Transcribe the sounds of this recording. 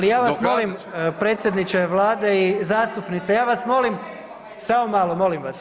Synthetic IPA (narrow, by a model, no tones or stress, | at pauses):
alijaːʋasmo̞limpɾe̞ːt̪sʲjed̪nit͡ʃeʋlˠaːd̪eizaːst̪upnit̪sejaːʋasmo̞lim | samomaːlomo̞limʋas